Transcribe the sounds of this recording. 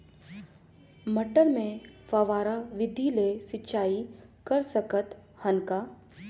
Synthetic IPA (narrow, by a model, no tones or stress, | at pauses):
mɐʈəɾmẽfaʋaːɾaʋɪd̪ʱilesɪtːʃaːikɐɾsəkət̪ | hɐnka